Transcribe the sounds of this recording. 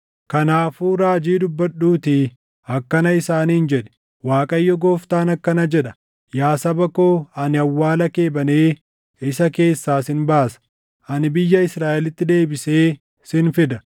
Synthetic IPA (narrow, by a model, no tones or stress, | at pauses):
kɐnaːfuːɾaːd͡ʒiːd̪ʊbːɐᶑuːt̪ɪ | ɐkːɐnɐɪsaːniːnd͡ʒɛᶑɛ̥ | waːkʼɐjːɔɡoːft̪aːnɐkːɐnɐd͡ʒɛᶑɐ̥ | jaːsɐbɐkoːɐnɪɐwːaːlɐke̞ːbɐneː | ɪsɐke̞ːsːaːsɪnbaːsɐ̥ | ʔɐnɪbɪjːɐɪsɾaːʔɛlɪt̪ːɪd̪e̞ːbɪse̞ː | sɪnfɪd̪ɐ